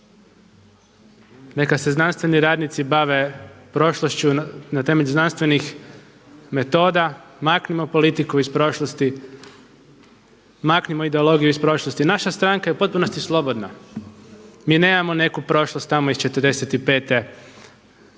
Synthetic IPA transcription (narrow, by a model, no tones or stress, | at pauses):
ne̞kaseznanst̪ʋe̞niɾaːd̪nit̪sibaʋe̞pɾo̞ʃloʃt͡ʃunat̪e̞me̞ʎuznanst̪ʋe̞nix | me̞t̪o̞ːd̪amaːknimo̞po̞lit̪ikuispɾo̞ːʃlˠost̪i | maːknimoid̪eo̞lˠo̞ɡijuispɾo̞ːʃlˠost̪inaʃast̪ɾaŋkajeupo̞t̪̚puno̞st̪islˠo̞bo̞d̪na | miːne̞ːmamo̞ne̞kupɾo̞ʃlˠost̪ːamoist͡ʃe̞t̪əɾd̪e̞set̪ipe̞ːt̪e